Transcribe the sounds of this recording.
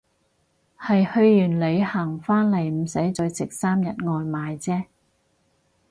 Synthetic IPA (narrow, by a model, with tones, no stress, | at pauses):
hɐ˨jhɵ˧ɥjyː˨˩nle˨˧jhɐ˨˩ŋfaː˥nle˨˩jm̩˨˩sɐ˨˥jt͡sɵ˨˧ɥt͡sɪ˨k̚saː˥mjɐ˨t̚ŋɔː˧jmaː˨˧jt͡sɛː˥